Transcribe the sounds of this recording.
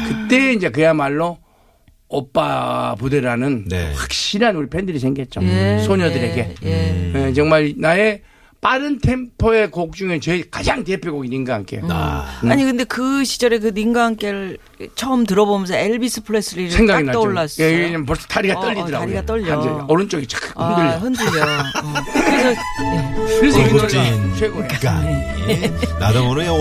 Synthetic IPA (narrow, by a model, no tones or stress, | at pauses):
kɯt͈e̞ind͡ʑe̞k̬ɯjamaɭːo | ʌp͈apudeɾanɯnwak̚ɕ͈iɾanuɾipʰendɯɾis̬ʰeŋɡiɦet̚t͡ɕ͈osʰoɲʌdɯɾe̞ɡe̞ | et͡ɕʌŋmaɾnae | p͈aɾɯntʰe̞mpʰoekok̚t͡ɕ͈uŋet͡ɕekad͡ʑaŋtepʰjoɡoɡiniŋɡaɦaŋk͈e̞̰aɲikɯnde̞kɯɕʰi̥d͡ʑʌɾek̬ɯniŋɡaɦaŋk͈eɾɯɭ | t͡ɕʰʌɯmt̬ɯɾʌbomjʌnsʰʌeɭbisʰɯ̥pʰɯɭes͈ɯɾiɾsʰe̞ŋɡaɡɡinaʌoɭːas͈eiɡeɲampʌɭs͈ʌ̥tʰaɾiɡaʌʎːidɯɾaaɡoɾiɡat͈ʌʎːad͡ʑeʌɾɯnt͡ɕ͈ʌɡit͡ɕḁkʰaondɯʎːiɦɯndɯd͡ʑo | kɯɾesʰʌ | kɯɾes̬ʰʌɡeʌsʰeɡon | nadaŋoɾo